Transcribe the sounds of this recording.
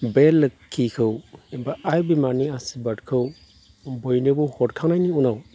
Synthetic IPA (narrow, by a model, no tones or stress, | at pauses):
belːɯkʰːikʰɯwibaajbimaniasibatkʰɯw | bɔjnibɔhɔtkʰaŋnajniunaw